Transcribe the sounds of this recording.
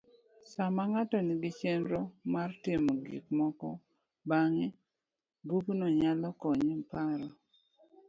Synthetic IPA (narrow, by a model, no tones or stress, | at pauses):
samaŋatɔnɪɡɪt͡ʃɛnɾomartɪmɔɡḭkmɔkɔ | baŋe | buknɔɲalɔkɔɲempaɾɔ